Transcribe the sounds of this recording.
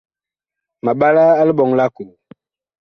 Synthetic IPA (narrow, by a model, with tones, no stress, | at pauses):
ma˨ɓa˦laː˦li˦ɓɔ˨ŋla˦ku˨l